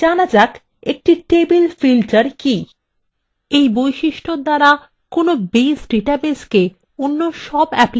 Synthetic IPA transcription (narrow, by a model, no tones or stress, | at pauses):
anad͡ʑak | ek̚ʈiʈebilfilʈaɾki | ejbojʃiʃʈod̪aɾa | konobesʈɾiʈabeske | onːoʃɔbɛpl